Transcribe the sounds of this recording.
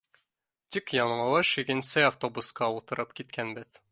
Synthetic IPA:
t̪ikjɒɴ̆ɤ̆lˠɤʃiɡɘ̆nsɘaft̪obusqɑut̪ɤ̆ɾʔɤp̚kit̪̚kʰænbɘð

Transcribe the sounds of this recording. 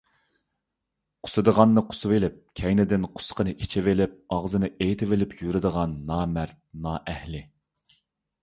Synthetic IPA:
qʰʊ̥sɨd̪əʁɑnːɨqʰʊ̥sɨvelɪp̚kʲʰɛjnɪd̪ɪnqʰʊ̥sqənɨʔit͡ʃʰivelɪp̚ɑʁzɨnɨʔejt̪ʰɪvɪlɪpjyɾɪd̪əʁɑnːɑːmæɾt̪̚nɑːʔɛhlɪ

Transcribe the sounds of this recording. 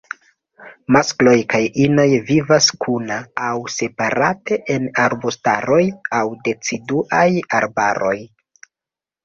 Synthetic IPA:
masklo̞jkajino̞jvivaskʰunaːwse̞paɾate̞ʔenaɾbostaɾo̞jawde̞t͡siduʔajaɾbaɾo̞j

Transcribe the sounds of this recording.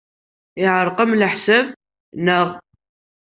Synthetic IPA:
ɪʕəɾˤqəmləħsæv | nəʁ

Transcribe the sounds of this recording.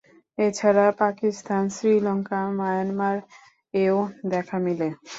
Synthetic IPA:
et͡ɕʰaɾapakist̪ansɾilɔŋkamajanmaɾ | eod̪ɛkʰamile

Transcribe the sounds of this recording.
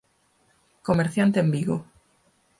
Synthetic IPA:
komeɾθjant̪eembiɣo̰

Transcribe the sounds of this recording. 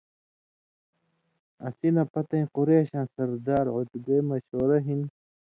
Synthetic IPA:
ɐ̰sinɐpɐt̪ɐĩquɾeːɕãːnsɐɾd̪aːɾʕot̪ɡejmɐɕoːɾɐɦin

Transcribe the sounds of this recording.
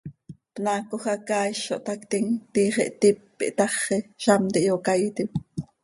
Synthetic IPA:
pnaːkoxɑkɑːjʃo̰ʔt̪ɑkt̪iŋt̪iχeʔt̪ipː | ḭʔt̪ɑχeʃɑmt̪iʔjokɑjt̪ip

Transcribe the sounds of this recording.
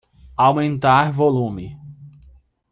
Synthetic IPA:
awmẽnt̪aɾvolũmɪ

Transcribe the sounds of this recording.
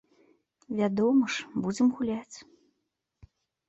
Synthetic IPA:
vʲad̪ɔmɐʂbud͡zʲɪmɣulʲat͡sʲ

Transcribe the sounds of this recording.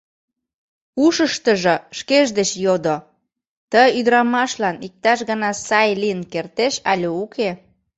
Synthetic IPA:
uʃəʃt̪əʒə̆ʃkeʒd̪et͡ɕjod̪o | t̪əyd̪ɾɑmɑʃlɑnik̚t̪ɑʃɣənɑsɑjlijənkert̪eʃɑlʲeukʰe

